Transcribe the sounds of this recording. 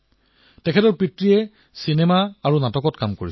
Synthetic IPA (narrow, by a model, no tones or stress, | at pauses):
tɛkʰɛtɔɹpɹitɹiɛ | sinemaaɹunatɔkɔtkamkoɹi